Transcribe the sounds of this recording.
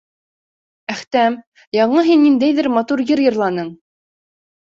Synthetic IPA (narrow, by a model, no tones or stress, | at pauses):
æχt̪æm | jɑɴɤɦinːind̪æjðɘɾmɑt̪uɾjɘɾjɤ̆ɾlˠɑnɤɴ